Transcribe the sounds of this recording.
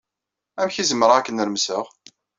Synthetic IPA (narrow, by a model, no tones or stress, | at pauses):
æmçizəmɾˤækːənɾmsəʁ